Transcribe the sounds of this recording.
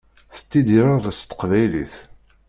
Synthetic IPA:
θə̥t̪ːid̪iɾaʁðæst̪ːə̥qvæjlḭθ

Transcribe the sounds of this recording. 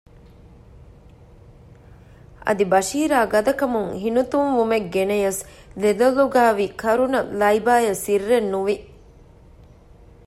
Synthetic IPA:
ʔɐ̰d̪ibɐʃiːɾaːɡɐd̪ɐkɐmuŋɦinut̪unʋumeɡɡenejɐs | led̪ɐlːuɡaːʋikʰɐɾunɐlɐibaːjɐsirːenːuʋi

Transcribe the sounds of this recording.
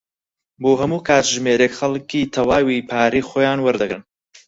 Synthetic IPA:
boːɦɐmuːkʰaːt̪ʒmeːɾekxɐlkiːt̪ʰɐwaːwipʰaːɾiːxoːjaːnwɐɾd̪ɨɡɾɨn

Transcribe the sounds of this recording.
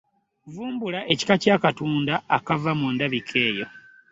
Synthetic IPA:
vuːmbulaʔe̞ci̥kacaːkatuːndaːkavamundaβikʰe̞ːjo̞

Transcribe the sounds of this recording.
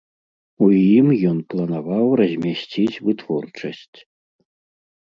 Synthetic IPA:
ujimjɔnplˠɐnavawrɐzʲmʲasʲt͡sʲit͡sʲvɨt̪vɔrt͡ʂɐsʲt͡sʲ

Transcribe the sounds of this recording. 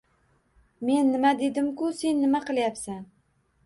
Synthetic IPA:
me̞nːɪmad̪e̞d̪ɪmkʲʊse̞nːɪmaqɨlˠjapsan

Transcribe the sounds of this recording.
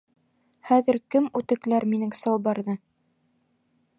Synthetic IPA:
χæðɘ̆ɾkɘmʉt̪ɘ̆klæɾminɘŋsɑwˠbɑɾðɤ

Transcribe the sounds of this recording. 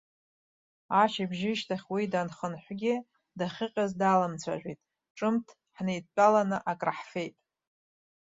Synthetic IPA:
aʃibʒɪʃtʰaχʲwidanχənħʷɡʲɪ | daχʲɪqʲʼazdalamt͡sʷʰa̰ʒᶣʷitʼ | ʈ͡ʂʼɨmtʰ | ħnejt̚ʼt͡pʼalanɨʔakʼraħfe̞jtʼ

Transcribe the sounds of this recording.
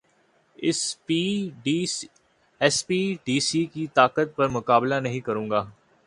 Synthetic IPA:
ɪsiːɖ | ɛspiːɖiːsiːkit̪aːkət̪̚pɐɾmʊkaːblanɐɦĩkɐɾũːŋɡaː

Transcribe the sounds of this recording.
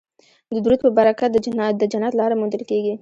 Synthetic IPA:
d̪əd̪uɾud̪̚pəbaɾakad̪əd̪əd͡ʒanɑt̪lɑɾamund̪əlkeɡi

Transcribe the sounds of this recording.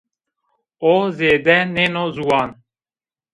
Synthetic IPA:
ozeːd̪ɛnenozuwaːn

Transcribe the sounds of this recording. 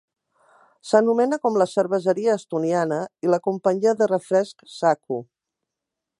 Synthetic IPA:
sənumɛnəkɔmləsəɾβəzəɾiəːst̪unianəiləkumpəɲiəðərəfɾɛsksaku

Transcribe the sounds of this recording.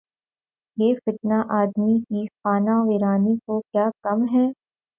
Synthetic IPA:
jeːfɪt̪naʔaːd̪mikixaːnaʋeːɾaːnikokjaːkɐmɦɛː

